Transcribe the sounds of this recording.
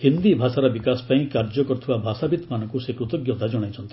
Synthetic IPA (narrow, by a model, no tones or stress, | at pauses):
hind̪ibʱasaɾɔbikasɔ̥paĩkaɾd͡ʒɔkɔɾɔt̪ʰibabʱasabit̪manɔ̃ŋkusekɾut̪ɔɡjɔt̪ad͡ʒɔɽ̃ajt͡ʃʰɔnt̪ʰi̥